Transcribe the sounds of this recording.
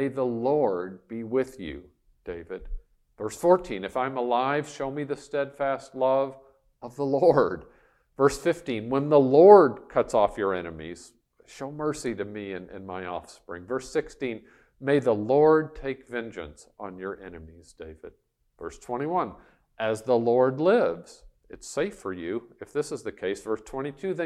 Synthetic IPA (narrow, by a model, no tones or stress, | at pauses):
meɪðəlɔɹd̚biwɪðjʉ̰ | d̥eɪvɨd̥ | vɜ˞sfɔɹtʰĩnɨfãɪ̃məlaɪv̥ʃoʊmiðɨstɛd̥fæstˡlʌv | ʌvðəlɔɹd̥ | vɜ˞sfɪftĩnwə̃nðəlɔɹd̚kʰʌtsɔfjə˞ɛnɨmḭz̥ | ʃoʊmɜ˞siɾɨmiɨ̃nɪ̰̃nmaɪɔ̰fspɹɪ̰̃ŋvɜ˞sɪkstĩn | meɪðəlɔɹd̚tʰeɪkvɛ̃nd͡ʒɨ̰̃ns | n̩jə˞ʔɛ̰nɨmiz̥deɪvɨ̰d̥̚ | vɜ̰˞stʰw̥ɛ̃ɾ̃iwʌ̃n | ʔɨzðəlɔɹdˡlɪvz̥ | ɨtseɪfə˞jʉɨfðɪsəzðɨkʰeɪsv̥ɜ˞stʰw̥ɛ̃ɾ̃itʰʉðɨ̃